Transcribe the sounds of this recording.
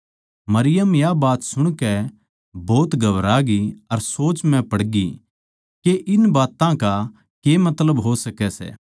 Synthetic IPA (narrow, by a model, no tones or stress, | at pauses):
mɐɾɪjəmjabaːt̪sʊɽ̃kɛ | boːt̪ɡɐʋɾaɡiɐɾsoːt͡ʃmɛ̃pɐɽɡi | keʔɪnbaːt̪ãka | kemɐt̪ləbɦosɐkɛsɛ̰ː